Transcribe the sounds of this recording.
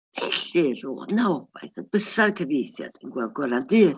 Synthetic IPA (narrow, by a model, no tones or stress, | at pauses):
ɛɬirṵːnaɔb̥a̰jθəb̥əsarkʰəvejθja̰d̥ənɡwɛlˠɡwəɾandɨː